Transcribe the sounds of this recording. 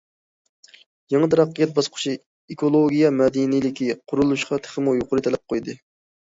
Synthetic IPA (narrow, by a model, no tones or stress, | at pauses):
jɑŋət̪ʰɑɾɑqːəjɛt̪̚bɑsqʰʊ̥ʃʰi | ekolˠoɡʲijɛmɛd̪inilɪkʲʰiqʰʊɾulˠuʃqɑt̪ʰə̥χəmujoqʊɾɨt̪ʰɛlɛp̚qʰojd̪ɨ